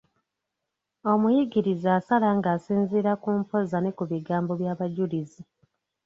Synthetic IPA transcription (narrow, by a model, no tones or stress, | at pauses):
o̞mujiɡiɾizaːsalaŋɡaːsiːnziːɾakuːmpo̞zane̞kuβiɡaːmbo̞βjaːβaɟulizi